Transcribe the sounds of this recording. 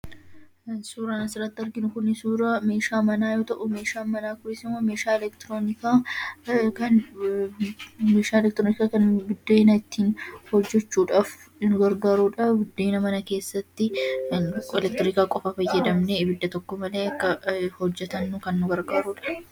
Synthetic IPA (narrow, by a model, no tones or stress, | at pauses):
suːɾaːnɐsɪɾɐt̪ːɐɾɡɪnʊkʊnɪsuːɾɐme̞ːʃaːmɐnaːjo̞ːt̪ɐʔʊmeːʃaːmɐnaːkʊɾɪsɪmɐmeːʃaːɛlɛkt̪ɾoːnɪkaː | kɐn | meːʃaːlɛkt̪ɾoːnɪkaːkɐnbɪd̪ːoɪnɐɪt̪ːiːnhɔd͡ʒːɛt͡ʃːuːᶑaːf | nʊɡɐɾɡaːɾuːᶑɐbʊd̪ːeːnɐmɐnɐke̞ːsːɐt̪ːɪ | ɛlɛk̚t̪ːɾɪkaːkʼɔfafɐjːɐd̪ɐmnebɪd̪ːɐt̪ɔkːɔmɐle̞ːɐkːɐhɔd͡ʒːɛt̪ɐnːʊkɐnnʊɡɐɾɡaːɾuːᶑɐ̥